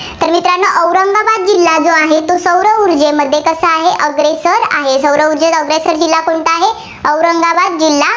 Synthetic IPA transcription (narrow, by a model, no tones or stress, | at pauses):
t̪əɾmit̪ɾanːəʔəwɾəŋɡabad̪̚d͡ʑilːad͡zoaɦet̪osəwɾəuɾd͡ʑeməd̪ʱːjekəsəaɦeʔəɡɾesəɾa̰ɦesəwɾəuɾd͡ʑeəɡɾesəɾd͡ʑilːakoɳt̪əaɦe | əwɾəŋɡaʋad̪̚d͡ʑilːa